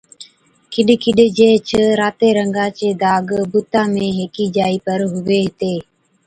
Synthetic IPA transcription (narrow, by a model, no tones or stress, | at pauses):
kɪɗkɪɗd͡ʒeːt͡ʃʰəɾaːt̪eːɾəŋɡaːt͡ʃeːd̪aːɡbʊt̪aːmẽːɦeːkiːd͡ʒaːiːpəɾɦʊʋeːɦɪt̪eː